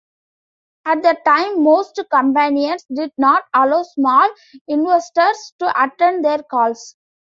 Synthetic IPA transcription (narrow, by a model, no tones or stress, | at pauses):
æʈ̚d̪əʈãɪ̃mːoːsʈkə̃mpæ̃niə̃nʈsɖɪɖ̚nɔːʈaloːsmɔːl | ɪ̃nʋesʈəɾsʈuʔɐʈẽnd̪eːɾkɔːls